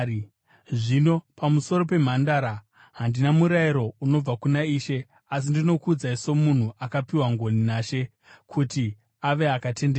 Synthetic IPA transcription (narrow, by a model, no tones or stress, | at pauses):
ʐino̞pamuso̞ɾo̞pe̞m̤andaɾa | ɦandinamuɾaiɾo̞uno̞b͡vakunaiːʃe̞ | as̬indino̞kud͡zaiso̞mun̤uʔakapiwaŋɡo̞ninaːʃe̞ | kʰuti | aʋe̞akate̞ndea